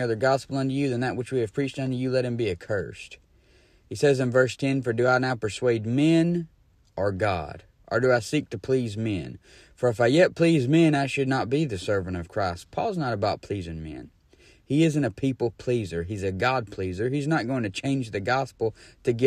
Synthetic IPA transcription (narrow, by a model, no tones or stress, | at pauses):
ʌðə˞ɡɑspl̩ˠʌ̃ntɨjɨðɨ̃nðɨʔ̚wət͡ʃwiɨv̥pʰɹ̥it͡ʃtʌ̃ntɨjɨlɛt̚hɨ̃mbiɨkʰɜ̰˞st | hisɛzɨ̃nvɜ˞stʰɛ̃nfə˞dɨaɪnaʊpʰə˞sweɪd̚mɛ̃n | ʔə˞ɡɑ̰ɾ | ʔə̰˞ɾɨaɪsik̚tʰɨpʰl̥izmɛ̃n | fə˞ɨfaɪjɛt̚pʰl̥izmɛ̃naɪʃɨdⁿnət̚b̥iðɨsɜ˞vɨ̃ñ̩tʌv̥kʰɹ̥aɪst̚pʰɔ̰lˠznəɾəbaʊt̚pʰl̥izɪ̃ŋmɛ̰̃n | iɪzɨ̃ntɨpʰipl̩ˠpʰl̥izə˞izɨɡɑd̚pʰl̥izə˞iznət̚ɡ̥oʊɪ̃ŋtʰɨt͡ʃʰẽɪ̃nd͡ʒðɨɡɑspl̩ˠtʰɨɡɪ